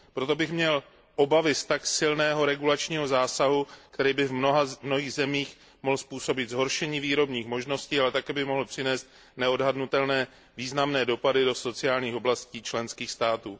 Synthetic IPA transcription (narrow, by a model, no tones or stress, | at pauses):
pɾot̪o̞bɪxmɲɛl | ʔo̞bavɪst̪aksɪlnɛːɦo̞ɾɛɡulat͡ʃɲiːɦo̞zaːsaɦukt̪ɛɾiːbɪvnoɦamnoɦiːɣzɛmiːx | moɦlspuːso̞bɪt̪zɦo̞ɾʃɛɲiːviːɾo̞bɲiːxmo̞ʒno̞sciːalɛt̪akɛːbɪmo̞ɦl̩pr̝̥ɪnɛːst̪ | nɛo̞dɦadnut̪ɛlnɛː | viːznamnɛːdo̞padɪdo̞so̞t͡sɪaːlɲiːxo̞blasciːt͡ʃlɛnskiːxst̪aːt̪uː